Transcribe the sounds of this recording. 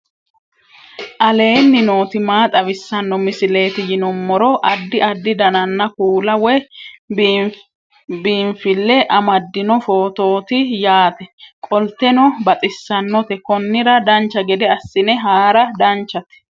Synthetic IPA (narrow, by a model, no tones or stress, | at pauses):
ʔɐle̞ːnːɪno̞ːt̪ɪmaːt̪ʼɐβɪsːɐnːɔmɪsɪle̞ːt̪ɪjɪnɔmːɔɾɔʔɐd̪ːɪʔɐd̪ːɪd̪ɐnɐnːɐkuːlɐwɛ | biːnfɪlːɛʔɐmɐd̪ːɪnɔfo̞ːt̪o̞ːt̪ɪjaːt̪ɛkʼɔlt̪ɛnɔbɐt̪ʼɪsːɐnːɔt̪ɛkɔnːɪɾɐd̪ɐnt͡ʃːɐɡɛd̪ɛɐsːɪnɛɦaːɾɐd̪ɐnt͡ʃːɐt̪